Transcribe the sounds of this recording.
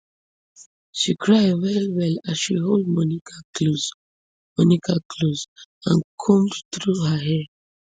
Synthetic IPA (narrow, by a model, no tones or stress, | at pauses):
ʃikʰɾajwɛɾiwɛlazʃiɦold̚mɔnikʰakluz | mɔnikakʰluzãnkʰõmdt̪ʰɾuɦəɦɛ